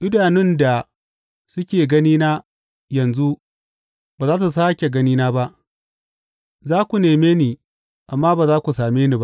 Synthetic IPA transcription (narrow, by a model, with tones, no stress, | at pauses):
ʔɪ˦daː˨nɪ˦nda˨ | sʊ˦kʲeː˨ɡɐ˦niː˦naː˦ | jɐ˨nzu˦ | baː˨zaː˦t̬u˨s̬aː˦kʲe˨ɡɐ˦niː˦naː˦ba˦ʔ | zaː˦kʷu˨neː˨meː˦niː˨ | ʔa˨mːaː˦baː˨zaː˦kʷu˨saː˨meː˦ni˨ba˦ʔ